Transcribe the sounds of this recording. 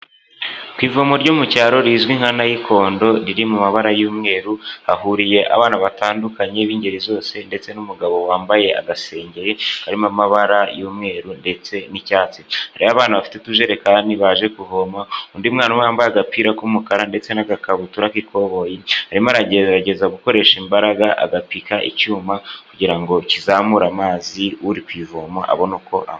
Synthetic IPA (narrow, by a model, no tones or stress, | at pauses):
kwiːvoːmoɾɟomucaːɾo̞ɾizɡwiŋ̥hanajikʰo̞ːndo̞ɾiɾimumaβaɾajuːmŋe̞ːɾuhaɦuɾije̞ʔa̰βaːnaβataːndukaɲeβiːɲɟe̞ɾizo̞ːse̞nde̞t͡se̞numuɡaβo̞waːmbaje̞a̰ɡase̞ːɲɟe̞ɾehaɾimamaβaɾajuːmŋe̞ːɾunde̞t͡se̞nicaːt͡si̥haɾiβaβaːnhuβafi̥tetuʒe̞ɾe̞kaːndiβaːʒe̞kuvoːmaundimŋaːnuwaːmbajaɡapiɾakumukaɾande̞t͡se̞naɡakaβutuɾakiko̞βo̞jehaɾimaɾaɟeaɟe̞zaɡuko̞ɾe̞ːʃimbaɾaɡaʔa̰ɡapikaʔḭcuːmakuɟiɾaŋɡo̞cizaːmuɾamaːziuɾikwiːvoːmaʔa̰βo̞nuko̞ʔa̰